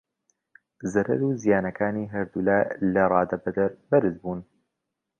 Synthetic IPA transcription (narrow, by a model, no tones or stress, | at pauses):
zɐɾɐ̰ɾuːzijaːnɐkʰaːniːɦɐɾd̪ulaːlɐrˤɑːd̪ɐbɐd̪ɾbɐɾɨzbuːn